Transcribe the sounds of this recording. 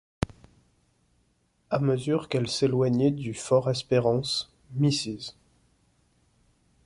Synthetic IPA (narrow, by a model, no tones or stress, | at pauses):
aməzyʁkɛlselwaɲɛd̪yfɔʁɛspeʁɑ̃s | misiz